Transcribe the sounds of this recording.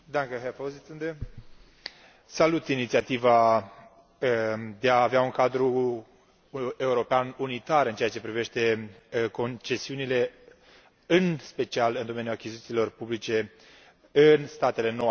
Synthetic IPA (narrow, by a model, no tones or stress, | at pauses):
d̪aŋkəɦefozit̪sund̪e | salut̪init̪siat̪iva | d̪e̞aːveauŋkad̪ɾu | e̞uɾo̞peanunit̪aɾɨnt͡ʃeat͡ʃe̞pɾive̞ʃt̪e̞ko̞nt͡ʃe̞siunile̞ | ɨnspe̞t͡ʃialɨnd̪o̞me̞njuakʲizit̪silo̞rpublit͡ʃe̞ | ɨnst̪at̪e̞le̞no